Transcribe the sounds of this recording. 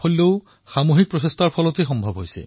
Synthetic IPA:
olːeʊ | xamoɦik̚pɹɔsestaɹpʰɔlɔtexɔmbʱɔbɦojsɛ̰

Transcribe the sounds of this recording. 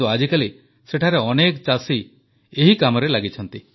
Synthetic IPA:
uad͡ʒikali | seʈʰaɾeɔnekt͡ʃasi | eɦikamɔɾelaɡit͡ʃʰɔnt̪i

